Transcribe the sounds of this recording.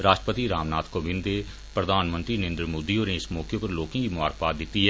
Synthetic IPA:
ɾaːʃʈəpət̪iɾaːmnaːt̪ʰkobɪ̃nd̪eː | pɾəd̪ʱaːnmə̃nt̪ɾinẽːnd̪ɾəmoːd̪ioːneɪsmɔːkjõpɐɾloːkẽkimʊa̰ːɾpaːt̪̚d̪ɪt̪ːiɦɛ

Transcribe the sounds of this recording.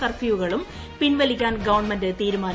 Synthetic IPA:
sɐrfiʋuɣɐɭum | pinʋɐlikʲːaːnɡɐʋɐɳmɐndɨt̪iːɾumaːn

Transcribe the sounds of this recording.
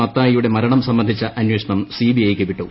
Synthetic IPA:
ɐt̪ːaːjijuɽe̞mɐɾɐɳɐmsɐmːɐnd̪ʱit͡ɕːɐʔɐnjweʂɐɳɐmsiːbiɐjkːeʋiʈːu

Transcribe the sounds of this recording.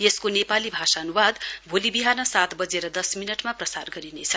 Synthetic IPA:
jeskonepalibʱasaʌnuwad̪bʱolibiɦanʌsat̪bʌd͡zeɾʌd̪ʌsminʌʈmaprʌsarɡʌɾinet͡sʰʌ

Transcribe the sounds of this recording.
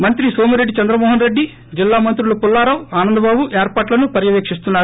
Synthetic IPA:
mɐnt̪ɾisoːmiɾe̞ɖːit͡ʃɐnd̪ɾɐmɔːɦɐnɾe̞ɖːi | d͡ʒilːaːmɐnt̪ɾulupulːaːɾɐwaːnɐnd̪ɐbaːbuʔeːɾpaːʈlɐnupɐɾjɐʋeːkʂist̪unːaː

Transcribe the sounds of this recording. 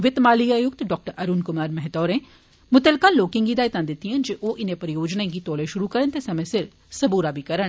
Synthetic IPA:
ʋɪt̪maːliaːjʊkt̪ɖɔːk̚ʈəɾʔɐɾuːnkʊmaːɾmɐɦt̪ɔːɾẽː | mʊt̪əlkaːlːoːkɪ̃ŋɡiːd̪aːit̪ãːd̪ɪt̪ːiãnd͡ʒeʔoːʔɪnẽpɐɾjoːd͡ʒnaẽɡit̪ɔːleʃʊɾukɐɾənt̪eːsɐmə̃sɪɾ | sɐbuːɾaːbʱiːkɐɾəɳ

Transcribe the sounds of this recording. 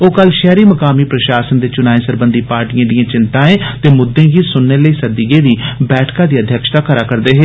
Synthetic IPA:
oːkəlʃɛːɾiːməkaːmiːpɾəʃaːsənd̪eːt͡ʃʊnaːẽːsəɾbənd̪iːpaːɾʈijãːd̪ɪjãːt͡ʃɪnt̪ãːẽːt̪eːmʊd̪ːẽːɡiːsʊnːeːləiːsəd̪iɡeːd̪iːbɛːʈʰkãːd̪iːəd̪ʱjəkʃt̪aːkəɾaːkəɾd̪eːɦeː

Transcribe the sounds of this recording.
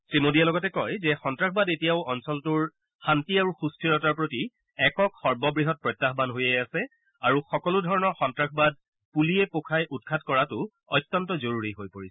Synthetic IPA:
sɹimodijalɔɡɔtɛkɔjzɛxɔntɹakʰbadetijaʊʔɔnsɔltʊɹ | xantiaɹuxustʰɹiɹɔtaɹpɹoti | ɛkɔkxɔɹbɔbɹiɦɔt̚pɹɔjtːaxbanɦojɛasɛ | aɹuxɔkɔludʱɔɹɔnɔɹxɔntɹakʰbad̚ | puliɛpokʰajʔut̚kʰatkɔɹatʊ | ɔ̰jtːɔntɔzoɹuɹiɦojpoɹisɛ̥

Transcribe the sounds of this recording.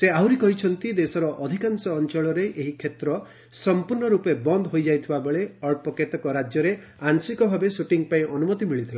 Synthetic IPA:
seawɾikɔɦit͡ʃʰɔnt̪id̪esɔɾɔʔɔd̪ʱikansɔːnt͡ʃɔɭɔɾeʔeɦikʰet̪ɾɔ | sɔmpuɾɳɔɾupebɔnd̪ɦojd͡ʒajt̪ʰibabeɭeɔɭpɔket̪ɔkɔɾad͡ʒjɔɾe | ansikɔbʱabesuʈiŋpaĩʔɔnumɔt̪imiɭit̪ʰilã

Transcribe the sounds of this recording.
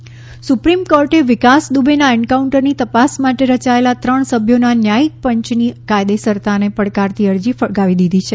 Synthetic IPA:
supɾimkɔɾʈeʋɪkasd̪ubenaɛɳɖkauɳʈəɾnit̪əpasmaʈeɾət͡ʃaelat̪ɾəɳsəbʱjonanjaik̚pəɲt͡ʃnikajd̪esəɾt̪anepəɽkaɾt̪ʰiəɾd͡ʒifəɭɡaʋid̪id̪ʱit͡ʃʰe

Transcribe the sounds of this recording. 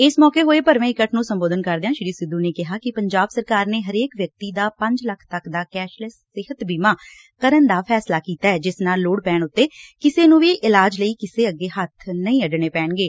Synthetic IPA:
ɪsmɔːkeːɦoːeːpəɾʋẽːɪkəʈnũːsəmboːd̪ənkəɾd̪eãːʃɪɾiːsɪd̪uːneːkɪɦaːkɪpəɲd͡ʒaːbsəɾkaːɾneːɦəɾeːkʋjək̚t̪iːd̪aːpə̃ɲd͡ʒləkʰt̪əkd̪aːkɛːʃləsːɪɦət̪biːmãː | kəɾənd̪aːpʰɛːslaːkiːt̪aːɛːd͡ʒɪsnaːlːoːɽpɛːɳʊt̪ːeːkɪseːnũːʋiːʔɪlaːd͡ʒləiːkɪseːəɡːeːhət̪ʰnəĩːəɖɳeːpɛːɳɡeː

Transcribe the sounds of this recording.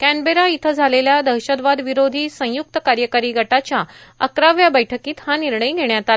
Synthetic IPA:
kænbeɾait̪ʰəd͡zʱaleljad̪əɾɕəd̪ʋad̪ʋiɾod̪ʱiːsə̃juk̚t̪əkaɾjəkaɾiːɡʱəʈat͡ɕjaəkɾaʋjabəjʈʰəkiːt̪haniɾɳəjɡʱeɳjat̪a

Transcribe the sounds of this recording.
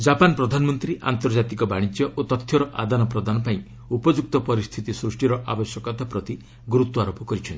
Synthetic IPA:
d͡ʒapanpɾɔd̪ʱanmɔnt̪ɾiʔa̰nt̪ɔɾd͡ʒat̪ikɔbaɽ̃it̪jɔʔot̪ɔt̪ʰːjɔɾɔʔa̰d̪anɔpɾɔd̪anɔpaĩ | upɔd͡ʒuk̚t̪ɔpɔɾist̪ʰit̪isɾusʈiɾɔʔabɔsjɔkɔt̪apɾɔt̪i | ɡɾut̪ːɔaɾopɔkɔɾit͡ʃʰɔn

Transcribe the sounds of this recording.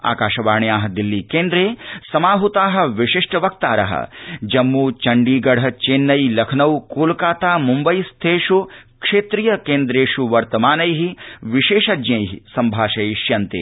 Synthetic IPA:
a̰ːkaːʃɐʋaːɳjaːɦɐd̪ilːikeːnd̪ɾeːsɐmaːɦut̪aːɦɐ̆ʋiʂiʂʈɐʋɐk̚t̪aːɾɐ̰ɦɐ̰d͡ʒɐmːuːt͡ʃɐɳɖiːɡɐɽ̤ɐt͡ʃeːnːɐjlɐkʰnɐwkoːlkaːt̪aːmumbɐjst̪ʰeːʂukʂeːt̪ɾijɐkeːnd̪ɾeːʂuʋɐɾt̪ɐmaːnɐjɦiʋiʃeːʃɐd͡ʒjɐ̃jɦḭsɐmbʱaːʃɐjʃjɐnt̪ḛː

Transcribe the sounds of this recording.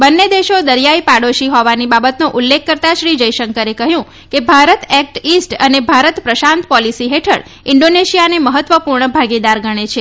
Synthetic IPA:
bənːed̪eʃod̪əɾjaipaɽoʃiɦɔʋanibabət̪nuʔulːekʰːəɾt̪aʃɾid͡ʒəjʃəŋkəɾekəɦjũ | kebʱaɾət̪ɛk̚ʈisʈənebʱaɾət̪pɾəʃãnt̪pɔlisiɦeʈʰə̰ɽ | ɪɳɖoneʃijaneməɦət̪ːʋəpuɾɳəbʱaɡid̪aɾɡəɽ̃et͡ʃʰe

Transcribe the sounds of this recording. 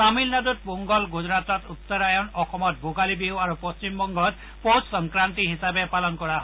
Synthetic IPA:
samilnadut̚boŋɡɔlɡud͡ʒɔɹat̪ɔt̪ut̪ːɔɾajɔnɔxɔmɔt̪̚bʱoɡalibiwaɾupɔst͡ʃimbɔŋɡɔt̪ | possɔŋkɹant̪iɦisabepalɔnkɔɹaɦɔ

